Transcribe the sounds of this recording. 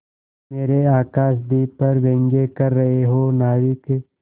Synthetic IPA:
meːɾeaːkaːʃd̪ipɐɾʋẽːŋɡekɐɾːɐɦeɦonaːʋike

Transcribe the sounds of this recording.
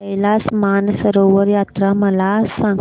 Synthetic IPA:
ɐjlaːsmaːnɐsɐɾoʋɐɾjaːt̪ɾamɐlaːsɐŋ

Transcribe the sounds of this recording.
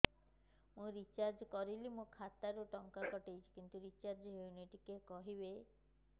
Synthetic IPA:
mũɾit͡ʃaɾd͡ʒkɔɾilimũkʰat̪aɾoʈɔŋkakɔʈejt͡ʃʰi̥kint̪uɾit͡ʃaɾd͡ʒɦewniʈikekɔɦibe

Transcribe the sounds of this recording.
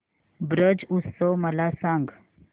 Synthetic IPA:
bɾəd͡ʒusoməlasãŋɡ

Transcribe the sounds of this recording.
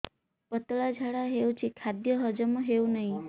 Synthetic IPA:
pət̪ɭad͡ʒʱaɽaɦeũt͡ʃʰikʰad̪jəɦəd͡ʒəmoɦeũnəɦĩ

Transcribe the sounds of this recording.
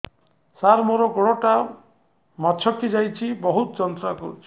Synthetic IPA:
saɾmoɾɔɡoɽoʈa | mɔt͡ʃʰɔkid͡ʒajt͡ʃʰibɔɦut̪ɔd͡ʒɔnt̪ɾakɔɾut͡ʃʰi̥

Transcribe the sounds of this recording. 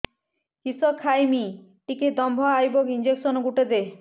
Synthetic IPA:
kisɔkʰːajmiʈiked̪ɔmbʱɔajbɔkind͡ʒeksɔnɔɡuʈed̪e

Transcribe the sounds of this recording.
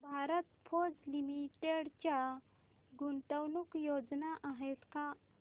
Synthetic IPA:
bʱaɾət̪pʰod͡zlimiʈeɽt͡ɕa | ɡunʈ̪əwnukjod͡znaʔaɦet̪ka

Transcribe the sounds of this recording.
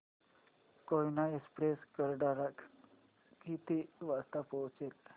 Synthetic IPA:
kojnaespɾeskəɾɖaɾak | kit̪iʋast̪apəwt͡set̪

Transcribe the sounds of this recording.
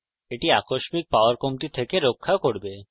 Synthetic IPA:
eʈiakoʃmik̚paoaɾkomt̪it̪ʰekeɾokʰːakoɾbe

